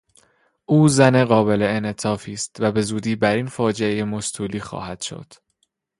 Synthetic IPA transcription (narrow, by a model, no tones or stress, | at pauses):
ʔuːzæneɣɒːbe̞le̞enet̪ʰɒːfiːst̪væbe̞zuːd̪iːbæɾiːnfɒːd͡ʒeejemost̪ʰuːliːxɒ̰ːhæd̪̥ʃo̰d̪̥